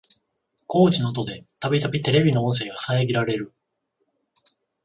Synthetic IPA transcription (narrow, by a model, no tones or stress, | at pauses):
ko̞ːt͡ɕinot̪o̞d̪e̞t̪abʲit̪abʲit̪e̞ɾe̞bʲino̞õɰ̃s̬e̞ːɡasaeɡʲiɾaɾe̞ɾɯ̟